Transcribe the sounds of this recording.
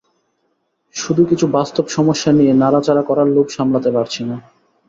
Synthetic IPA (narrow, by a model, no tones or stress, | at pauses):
ʃud̪ʱukit͡ɕʰubast̪obʃɔmoʃːanijenaɾat͡ɕaɾakɔɾaɾlokʃamlat̪epaɾt͡ɕʰina